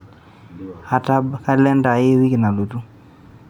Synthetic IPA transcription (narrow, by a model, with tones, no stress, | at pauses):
a˨ta˦bka˦lɛ˦nda˨e˦wi˦kɪ˨na˨lu˨tu˦